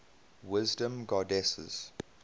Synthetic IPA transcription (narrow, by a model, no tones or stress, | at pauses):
wɪzdə̃mɡɔdɛsə̰z̥